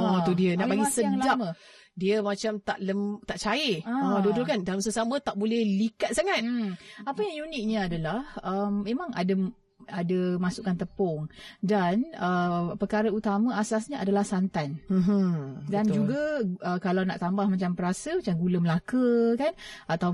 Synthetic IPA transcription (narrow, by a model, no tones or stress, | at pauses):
ɔt̪udiənaʔpaɡisəlad͡ʒamə | diəmat͡ʃamt̪aʔləmt̪aʔt͡ʃaeadodokandalamsəsamət̪aʔ̚bolɛhlikat̪̚saŋat̪apəjaŋjunɪk̚ɲəadalahəmːemãŋa̰də | adəmasukant̪əpɔŋdanəpəkaɾəut̪amə̃asasɲəʔadalahsant̪an̩ | dand͡ʒuɡaəkalawnaʔt̪ambahmat͡ʃampəɾasəmat͡ʃamɡuləməlakəkanat̪aw